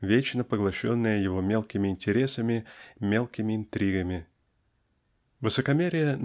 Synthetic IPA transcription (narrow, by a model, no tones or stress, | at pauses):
vʲet͡ɕnəpəɡlˠɐɕo̞̰nːɨjəjɪvo̞mʲelˠkʲɪmʲɪɪnʲtʲɪɾʲe̞səmʲɪmʲe̞lˠkʲɪmʲɪɪnt̪ɾʲiɡəmʲɪ | vɨsəkɐmʲeɾʲɪjən